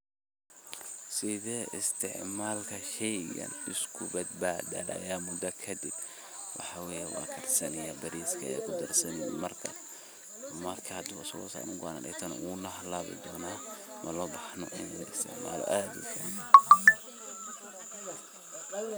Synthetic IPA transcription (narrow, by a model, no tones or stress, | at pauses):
sɪðɛːʔɪst̪ʰɪʕmaːlkʰɐʃɛjɡɐ̰nɪskʰʊbɐd̪̚baːd̪ɐ̰lɐ̰jaːmʊd̪ɐkʰɐd̪ɪb | wɑħɑwɛːjɛwɑ̰ːkʰɐrsɐnɪjɐbɐɾiːskʰɐɛkʰʊd̪ɐrsɐnɪj̰mɐrkʰɐ | mɐrkʰɐhɐd̪ʊɐsɐɣɔ̰sa̰ːnʊɡɔanɐ̰ʔɛ̰t̪ʰɐnɐ̰unɐɦlaβɪ̰d̪ɔːnaː | mɐlɔːbɑħnɔ̰ʔɪnmɪɾɪst̪ʰɛ̰ʕma̰ːlɔ̰ʔaːd̪ʊ̰kʰɐn